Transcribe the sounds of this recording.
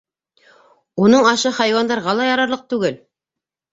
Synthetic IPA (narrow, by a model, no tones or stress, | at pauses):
unɤɴɑʃɤχɑjwɑnd̪ɑɾʁɑlˠɑjɑɾɑɾlˠɤq̚t̪ʉɡɘl